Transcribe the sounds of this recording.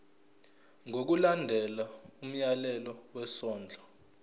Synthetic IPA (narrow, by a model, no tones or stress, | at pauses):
ŋʱok̬ulandʱɛlaum̩jalɛlɔwɛsɔːnd͡ɮʱa